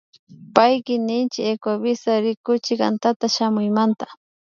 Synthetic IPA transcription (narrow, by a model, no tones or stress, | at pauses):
pajkɪnɪnt͡ʃɪekwabɪsaɾɪkʊt͡ʃɪka̰nt̪at̪aʃamʊjmant̪ḁ